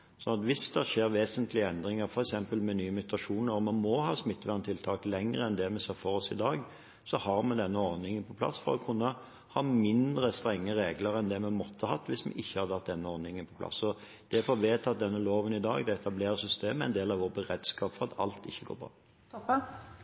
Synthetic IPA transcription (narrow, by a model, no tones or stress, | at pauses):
sɔnɑt̪ʋɪsd̪ɛʂeːɾʋeːsənt̪lɪəɛnd̪ɾɪŋəɾfɔɾɛksɛmpəlmɛnyːəmʉt̪ʰɑʂuːnəɾɔmɑnmɔhɑːsmɪt̪ːʋæʁnt̪ʰɪlt̪ʰɑːklɛŋəʁəɛnd̪ɛmɛseːfɔɾɔsɪd̪ɑːɡ | sɔhɑɾmɛnd̪ɛnːəɔʁnɪŋənpʰɔ̥pʰlɑ̰sːfɔɾɔkʰʉnːə | hɑːmɪnd̪ɾəst̪ɾɛŋːəɾeːɡləɾɛnd̪ɛmɛmɔt̪ʰːəhɑt̪ːʋɪsmɛ̰ʔɪçːəhɑd̪ʰɑt̪̚d̪ɛnːəɔʁnɪŋənpʰɔpʰlɑ̰sɔ | d̪̥ɛfɔʋeːt̪ʰɑt̪̚d̪ɛnːəloːʋənɪd̪ɑ̰ːɡd̪ɛɛt̪ɑbleːɾəsʏst̪eːməɛ̰ɪnd̪eːlɑʋoːɾbəʁɾɛd̪skɑːpfɔɾʁɑt̪ʰɑ̰lt̪ɪçːəɡo̰ːɾbɾɑ̰ː